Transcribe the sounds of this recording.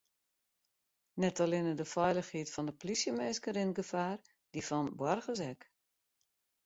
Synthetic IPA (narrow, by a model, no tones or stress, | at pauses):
nɛtalɪnədəfɛjləxhiətfɔndəpolisjəmeːskəɾɪnɡəfaːr | d̥ifɔnbwarɣəs̬ɛk